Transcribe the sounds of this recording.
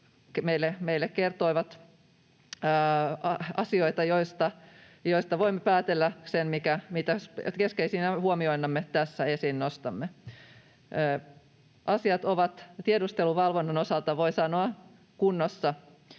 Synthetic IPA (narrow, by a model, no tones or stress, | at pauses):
kmeilːemeilːekkert̪oiʋɑt̪ | ɑɑsio̞it̪ɑjoist̪ɑ | joist̪ɑʋoimːepæːt̪elːæsenmikæmit̪æskeskeisinæhuomioinːɑmːet̪æsːæesinnost̪ɑmːe | ʔɑsiɑt̪oʋɑt̪t̪iedust̪eluʋɑlʋonːɑnosɑlt̪ɑʋo̞isɑnoɑ | kunːosːɑ